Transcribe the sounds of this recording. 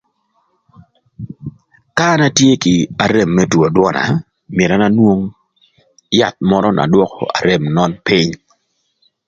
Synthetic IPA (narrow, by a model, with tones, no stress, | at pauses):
ka˦na˦tje˦kɪ˨a˨ɾe˨mːɛ˦two˨dwɔ˦na̰˨ | mje˨ɾa˦na˦nwo˦ŋ | ja˦˨t̪̚mɔ˦ɾɔ˦na̰˨dwɔ˦kɔ̰˨a̰˨ɾe˦mnɔ˦npɪ˦ɲ